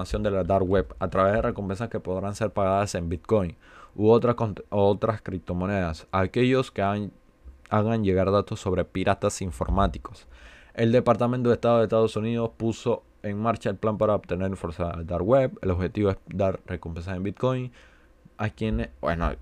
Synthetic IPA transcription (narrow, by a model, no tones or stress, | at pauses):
asjo̞nd̪elad̪aɾɣwe̞βat̪ɾaβeðere̞kompe̞nsaske̞po̞ðɾanse̞ɾpaɣaðase̞mbit̪̚ko̞jnuot̪ɾot̪ɾaskɾip̚t̪o̞mo̞ne̞ðasake̞ʝo̞ske | aɣanʝe̞ɣaɾðat̪o̞sːo̞βɾe̞piɾʔat̪asiɱfo̞̰ɾmat̪i̥ko̞̥se̞ld̪e̞paɾt̪amẽnt̪oest̪aðo̞ðest̪aðo̞suniðo̞spuso̞ | e̞ŋmaɾt͡ʃae̞lplampaɾaobt̪e̞ne̞ɾĩfo̞ɾsaðd̪aɾweβe̞̰lo̞βxe̞t̪iβo̞e̞sd̪aɾre̞kompe̞ns̬ase̞mbit̪̚ko̞jn | akjeneḛno